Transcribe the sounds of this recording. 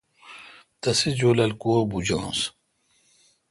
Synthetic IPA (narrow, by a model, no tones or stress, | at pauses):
t̪ɐsid͡ʑoːlɐlkoːbud͡ʑã̰ːs